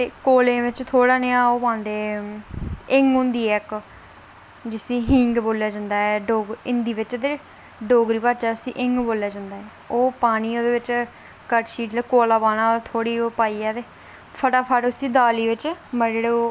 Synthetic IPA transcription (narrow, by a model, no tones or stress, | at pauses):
t̪eːkoːlẽːʋɪt͡ʃt̪ʰoːɽaːneãːoːpãːnd̪eː | ɪŋɡʊ̃nd̪iːɛːk | d͡ʒɪsĩːɦɪŋɡboːljaːd͡ʒãːnd̪aːɛːɖoːɡɪnd̪iːʋɪt͡ʃd̪eː | ɖoːɡɾiːpaːt͡ʃaːʊsḭːʔɪŋɡboːljaːd͡ʒãːnd̪aːɦɛː | oːpaːniːoːd̪eːʋɪt͡ʃ | kəʈʃiːʈlɛːkoːlaːbaːnãːt̪ʰoːɽiːoːpaːiːɛːt̪eː | pʰəʈaːpʰaʈʊsiːd̪aːliːʋɪt͡ʃməd͡ʒeːɽeːoː